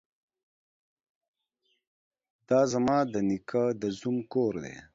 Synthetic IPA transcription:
d̪ɑːzamɑːd̪ənikʰad̪əzumkoːɾd̪ḛ

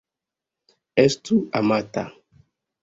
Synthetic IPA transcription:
ɛstuamat̪a̰

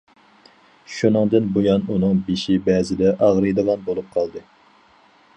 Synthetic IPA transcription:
ʃunɨŋd̪ɨnbojɑnunɨŋbeʃɪbɛːzɪd̪ɛʔɑʁɾɨd̪ɨvɑnbolˠup̚qʰɑlˠd̪ɨ

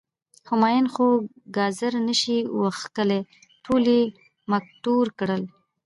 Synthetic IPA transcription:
xʊmɑjɪnxo | ɡɑzəɾnəʃiwəxkəle | ʈʰuli | mak̚ʈuɾkɽəl

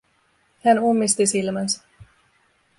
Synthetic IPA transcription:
hænumːist̪isilmæns

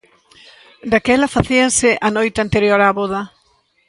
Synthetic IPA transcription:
d̪akɛlafaθiensɪʔanojt̪ant̪eɾjoɾaːβoða

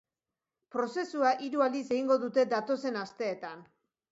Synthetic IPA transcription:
pɾo̞se̞suaʔiɾuald̪is̬e̞ɣiŋɡo̞ðut̪e̞d̪at̪o̞se̞nast̪e̞ːt̪an

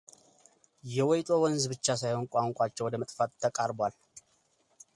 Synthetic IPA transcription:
jɛwɔjt̪ʼo̞wɔnzbɨt͡ʃːasajho̞nkʷʼaŋkʷʼat͡ʃːɛwɔd̪əmət̪ʼfat̪t̪ʰːəkʼaɾbwal

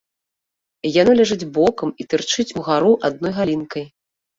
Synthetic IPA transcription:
janɔlʲaʐɨd͡zʲbɔkɐmit̪ɨrt͡ʂɨt͡sʲuɣaɾuʔad̪̚nɔjɣalʲinkɐj

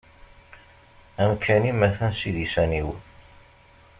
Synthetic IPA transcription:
æmkʰːænimæθænsiðisæniw

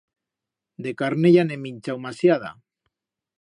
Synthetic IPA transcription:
d̪ekaɾneʎanemiɲt͡ʃawmasjaða̰

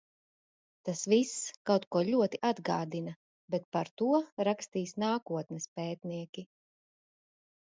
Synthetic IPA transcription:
t̪asviskawt̪kuɔʎuɔt̪iʔad̪ɡa̰ːd̪inɐ | bɛt̪̚paɾt̪uɔɾakst̪iːsnaːkuɔt̪nɛspɛːt̪niɛkʲi

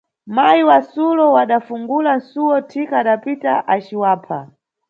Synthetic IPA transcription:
majiwasulɔwaɗafuŋɡulan̩suwɔtʰikaːɗapitaʔat͡ʃiwaːpʰa̰

